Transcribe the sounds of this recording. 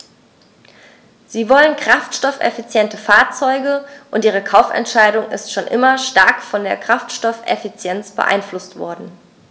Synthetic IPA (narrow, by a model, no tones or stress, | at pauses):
z̥iːvɔlənkʁ̥aftʃtɔfɛ̰fit͡sjɛntəfaːɐt͡sɔʏɡəʔʊntʔiːʁ̞əkʰaʊfɛ̰ntʃaɪɾʊŋɪ̰stʃoːnʔɪmɐʃtaɐkfɔndeːɐkʁ̥aftʃtɔfɛ̰fit͡sjɛnt͡sb̥ə̰ʔa̰ɪnflʊstv̥ɔ̰ɐdn̩